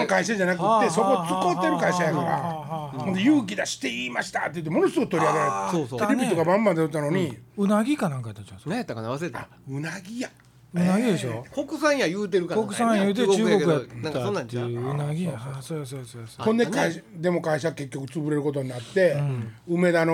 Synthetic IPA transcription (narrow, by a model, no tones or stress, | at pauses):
ãŋkaiɕaʑanakɯ̟t̪ːe̞so̞ko̞t͡sɨko̞t̪ːe̞ɾɯ̟kaiɕajakaɾa̰ | õnd̪ejɯːk̬ʲid̪aɕi̥t̪e̞iːmaɕi̥t̪at̪ːei̟t̪̬ːemo̞no̞sɨɡɯ̟t̪o̞ɾʲiaɡeɾoseɾebʲit̪o̞kabãmbãnd̪ejot̪ːano̞ɲ̟iɯnaɡʲikanãŋkajat̪ːat͡ɕas | a̰ | ɯnaɡʲija | ɯnaɡʲid̪eɕokokɯsãjajɯːt̪̬eɾɯkakokkɯ̟sãjjajɯːt̪et͡ɕɨːɡo̞kɯjãnãŋnaɯnaɡʲiasososokõnd̪ekaid̪e̞mo̞kaiɕaɡake̞kʲːo̞k̬ɯ̟t͡sɨbɯ̟ɾe̞ɾɯ̟ko̞t̪o̞ɲ̟inat̪ːe̞ɯme̞d̪ano